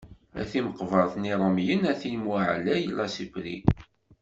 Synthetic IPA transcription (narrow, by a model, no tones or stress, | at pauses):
æ̰θiməqvəɾˤθniɾˤəmjənæθinmaʕlæjəlːɑsifɾḭ